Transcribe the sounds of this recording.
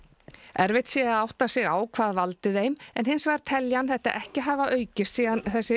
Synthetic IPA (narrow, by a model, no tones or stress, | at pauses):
ɛɾvɪht̪sjɛɣaðawht̪asɪɣa̰ːwkʰvaːðvalt̪ɪðejmɛ̰nhɪnsvaɾ̥t̪ʰɛljanθɛht̪a̰ʔɛhcɪɦaːvaʔœːɥcɪst̪siːɣanθɛsːɪ